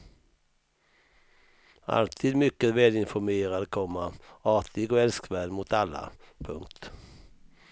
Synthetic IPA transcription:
a̰lt̪ʰiːd̪mʏkːəvɛːlɪnfɔmeːɾad̪kʰɔmːaɑːt̪ʰɪɡɔɛlskvæːlmʊt̪ʰalːa̰pʰɵŋkt̪

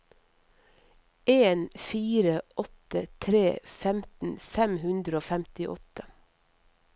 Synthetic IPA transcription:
ʔeːnfiːɾəɔt̪ət̪ʰɾeːfɛmt̪n̩fɛmhʉnd̪ɾəoːfæmt̪ɪʔɔ̰t̪ə

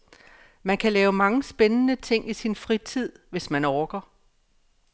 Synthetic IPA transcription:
mænkʰælɛːʊmɑ̈ŋəsb̥enənət͡sʰe̝ŋ̰isinfʁit͡sʰið̞̰ˠʋe̝smænɒːɡ̥ɐ

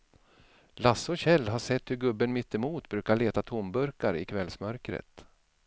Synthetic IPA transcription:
lasɔɕɛlːɦaʂɛt̪ːhɵɾɡɵbːənmɪt̪ːɛmuːt̪bɾʉ̟ːkaɭeːt̪at̪ʰʊmbɵɾkaɾɪ̰kʰvɛlsmœɾkɾə̰t̪

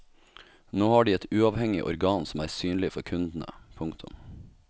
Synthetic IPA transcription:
noːhɑːɖiːɛt̪ʉːɑʋhɛŋɪ̰ʔɔ̰ɾɡɑːnsɔmæːɾsyːnlɪfɔɾkʰʉnd̪n̩ə̰pʰʊŋkt̪ʰʊ̰m

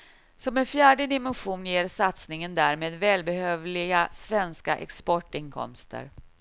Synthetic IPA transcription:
sɔmɛnfjæːɖəd̪ɪmɛnɧuːnjeːɾsat̪snɪŋənd̪æːɾmeːd̪vɛːlbɛhøːvlɪɡasvɛnska̰ʔɛ̰kspɔʈɪnkʰɔ̰mst̪ə̰ɾ

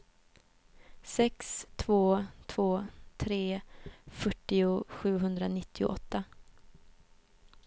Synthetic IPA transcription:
sɛkst̪ʰvoːt̪ʰv̥oːt̪ʰɾeːfœʈːɪʊɧʉ̟ːɦɵnd̪ɾanɪt̪ːɪʊ̰ʔɔt̪ːa

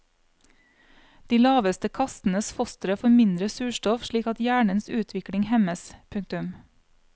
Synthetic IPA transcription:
d̪̥iːlɑːʋəst̪əkʰɑst̪n̩əsfɔst̪əɾəfɔɾmɪnd̪ɾəsʉːʃtɔfʃɭiːkɑt̪jæːɳənsʉːt̪ʰʋɪkɽɪŋhɛməspʰʉŋ̚t̪ʉm

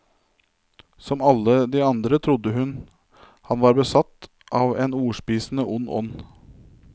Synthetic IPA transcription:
sɔmɑləd̪iːɑnd̪ɾət̪ʰɾʊd̪əhʉn | hɑnʋɑːɾbəsɑt̪ | ʔɑːʋeːnuːʂpiːsn̩əʔʊnːɔ̰nː

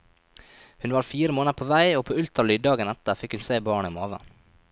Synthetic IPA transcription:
hʉnʋɑːɾfiːɾəmoːnəpʰoːʋæɪoːpʰoːʉlt̪ɾɑlyːd̪ɑːɡənɛt̪əɾfɪkhʉnseːbɑːɳəɪmhɑːʋə̰

